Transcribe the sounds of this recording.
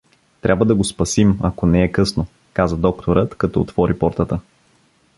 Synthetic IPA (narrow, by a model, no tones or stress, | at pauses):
t̪ɾʲʔabvəd̪ɐɡospɐsimɐkonɛɛkɤsno | kazəd̪ɔk̚t̪ʰoɾət̪kɐt̪ɔot̪v̥ɔɾipɔɾt̪ət̪ə